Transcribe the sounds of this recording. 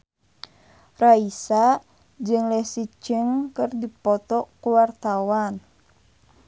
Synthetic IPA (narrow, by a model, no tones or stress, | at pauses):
raisa | d͡ʒɨŋlɛhsit͡ʃəŋkɨrdipɔt̪ɔkuwart̪awan